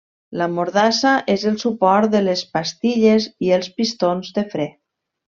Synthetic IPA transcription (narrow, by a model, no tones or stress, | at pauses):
lamoɾðasaʔezəlˠsupɔɾt̪̚ðəlespast̪iʎeziəlˠspist̪onzðəfɾɛ